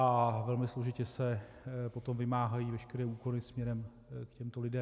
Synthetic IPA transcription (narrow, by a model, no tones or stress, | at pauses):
ʔavɛlmɪslo̞ʒɪcɛsɛ | po̞t̪o̞mvɪmaːɦajiːvɛʃkɛɾɛːuːko̞lɪsmɲɛɾɛm | kcɛmt̪olɪdɛm